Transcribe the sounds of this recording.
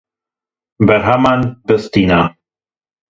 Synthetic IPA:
bɛɾɦamanbəst̪ina

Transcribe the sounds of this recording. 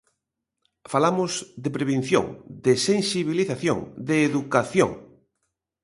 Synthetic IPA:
falamʊzd̪epɾeβen̟θjo̰ŋd̪esensiβ̞iliθaθjo̰ŋd̪eːðukaθjo̰ŋ

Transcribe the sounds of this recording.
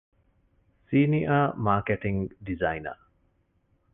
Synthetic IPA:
siːniʔaːmaːkeʈiŋɡɖizaina̰

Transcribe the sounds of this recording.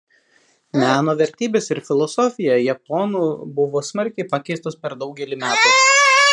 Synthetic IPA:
mʲæːnoːʋʲɛɾʲt̪ʲiːbʲeːsɪɾfʲɪlˠɔsɔfʲɪjɛjɛpɔnuːbʊʋoːsmɐɾʲkʲɛɪpɑkʲɛɪst̪oːspʲɛɾd̪ɒʊɡʲɛlʲɪmʲæːt̪ɐɪ

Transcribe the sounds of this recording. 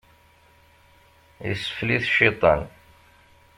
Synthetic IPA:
ə̰sə̥fliθʃːit̪ˤɑ̰n

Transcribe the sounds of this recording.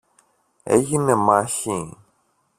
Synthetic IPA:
ḛʝinemaçi

